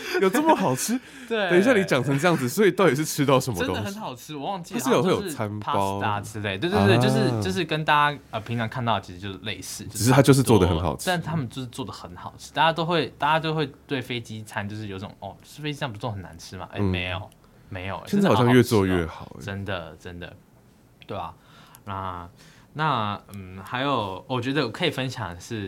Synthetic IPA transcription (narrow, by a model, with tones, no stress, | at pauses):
jo˨ʊʈ͡ʂə˥˩mə˩xɑ˨˩ʊʈ͡ʂ̩ʰ˥ | t̪we˥˩ɪ˧˥i˥ɕja˥˩ni˧˥t͡ɕjɑ˨˩ŋʈ͡ʂʰɤ˧˥ŋʈ͡ʂɤ˥˧jɑ˥˩ŋd͡z̩˨˩swɔ˧˥i˨˩t̪ɑ˥˩ʊjɛ˨˩ʂɻ̩˥˧˩ʈ͡ʂʰɻ̩˥t̪ɑ˥˩ʊʂə˧˦nmə˧ə˥nto˥d̪ŋxə˧˦nxɑ˨˩ʊʈ͡ʂʰɻ̩˥wɔ˨˩wɑ˥˧ŋt͡ɕi̥˥˨˥i˥ə˨˩we˥˩jo˨˥˨t͡sʰa˦n˧pʰa˥sʊt̪a˥˩ʈ͡ʂ̩ʰ˥t̪e˥˩ɪt̪we˥˩t̪t̪jo˥˧ʂɻ̩˥˩t͡ɕjo˥˧ʊʂ̬ɻ̩˥˩kə˥nt̪a˥˧t͡ɕa˥ə˨˩pʰi˧˥ŋjɑ˧˥ŋkʰa˥˧nt̪ɑ˥˩ə˩t͡ɕʰi˧˥ʂɻ̩˧jo˥˧ʊʂ̩˥˧le˥˧ɪʂɹɻ̩˥˩t͡ɕ̩˥˧˨ɻ̩˥˧t̪ʰa˥t͡ɕjo˥˧ʊʂ̬̩˥˧t͡swɔ˥˨˧də˨xə˧˦nxɑ̰˨˩ʊʈ͡ʂ̪ʰa˥˧n̩˥˩t̪ʰa˥mə˨nt͡ɕjo˥˧ʊʂ̬̩˥˧t͡swɔ˥˩d̪ə˩xə˧˦nxɑ˨˩ʊʈ͡ʂʰɻ̩˥t̪a˥˧t͡ɕja˥t̪o˥ʊxwe˥˩ɪt̪a˥˩t͡ɕa˥t͡ɕo˥˧ʊxwe˥˧ɪt̪we˥˩ɪfe˥ɪt͡ɕi˥t͡sʰa˥nt͡ɕjo˥˧ʊʂɻ̩˥˨o˧˦ʊt͡sʈ͡ʂo̰˨˩˦ʔɔ˥˧˩t͡ɕʂ̩˥˩fe˥ɪt͡ɕi˥a˥˩ŋpu˧˥t͡swɔ˥˩xə˨˩na̰˧˦nʈ͡ʂʰɻ̩˥ma̰˨ʔḛ˥˩me˧˦ɪjo̰˨˩ʊ | me˧˥ɪjo˨˩ʊj̩˥˩˨jɑ˥˧ɥɛ˥˧t͡swɔ˥˧ɥɛ˥˩xɑ˨˩˦ʈ͡ʂə˦nd̪ə˨ʈ͡ʂə˦˥nd̪ə̰˩ | t̪we˥˩ɪɐ̰˩ | n˧˥ | na˥˩˥xa˧˥ɪjo˨˩ʊwɔ˨˩t͡ɕɥɛ˧˥d̪ə˧˨wkʰɤ˧˥i˨˩fə˦˥nɕjɑ̰˨˩ŋʂɻ̩˥˩